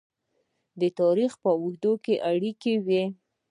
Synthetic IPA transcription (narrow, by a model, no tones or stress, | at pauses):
d̪ət̪ɑɾixpəwuhd̪okeʔaɽikewe